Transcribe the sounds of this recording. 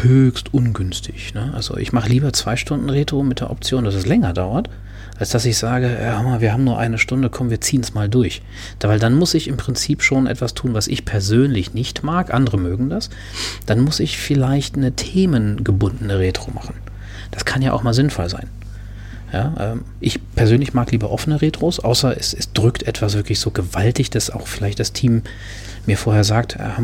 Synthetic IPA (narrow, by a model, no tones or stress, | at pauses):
høːçstʔʊnɡʏnstʰɪ̥çnəʔa̰lzo̰ʔɪ̰çmaχəliːbɐt͡sv̥aɪʃtʊndn̩ʁeːtʁ̥omɪt̚d̥eːɐʔɔp̚t͡sjoːndasɛslɛŋɐdaʊɐt | ʔalsd̥asɪçz̥aːɡəʔɛːhamaviːɐɦaːbm̩nuːɐʔa̰ɪnəʃtʊndəkʰɔmnviːɐt͡siːənsmaːldʊɐç | d̥vaɪldanmʊsɪçɪmpʁ̥ɪnt͡siːpʃoːnʔɛ̰tv̥astʰuːnvasʔɪçpʰɛɐzøːnlɪçnɪçtmaːkʔandəʁəmøːɡŋ̩das | d̥anmʊsɪçfɪlaɪçtnətʰeːmənɡəbʊndn̩əʁeːtʁ̥o̰ːma̰χn̩ | d̥askʰanjaːʔaʊxmaːlzɪnfɔlza̰ɪn | ja̰ːʔɛ̰ːm | ʔɪçpʰɛɐzøːnlɪçmaːkliːbɐʔɔfənəʁeːtʁ̥oːsʔa̰ʊsɐʔɛsɛsd̥ʁʏktʔɛtv̥as̬v̥ɪɐklɪçz̥oːɡəvaltɪçd̥asa̰ʊxfɪlaɪçtd̥astʰiːmː | iːɐfoːɐheːɐzaːk̚tɛ̰